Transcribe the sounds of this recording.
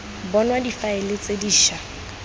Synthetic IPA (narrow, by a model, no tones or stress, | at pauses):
bɔnwadifaɪlɪt͡sediːʃa